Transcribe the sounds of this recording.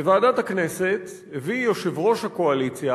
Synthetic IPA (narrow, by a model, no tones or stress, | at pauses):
evaːdat̪haknese̞t̪ | hevijoʃevʁo̞ʃhako̞alit͡sja